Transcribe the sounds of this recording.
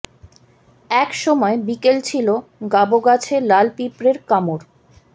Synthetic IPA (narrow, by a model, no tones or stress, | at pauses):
ɛkʃɔmɔebikelt͡ɕʰiloɡaboɡat͡ɕʰelalpipɾeɾkamoɾ